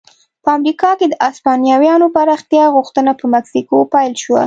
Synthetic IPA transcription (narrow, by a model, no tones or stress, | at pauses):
pəamɾikɑked̪əʔɑspɑnjɑwjɑnopaɾɑxt̪jɑɣuxt̪ənapəmaksikopajlʃwa̰